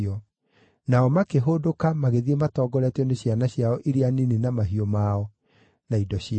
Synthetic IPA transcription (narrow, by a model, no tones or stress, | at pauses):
ɔ | naɔmakeɦodokamaɣeðiematɔɡɔɾɛtɛneɕjanaɕjaɔʔiɾianinenamaɦiɔmaɔ | naidɔɕi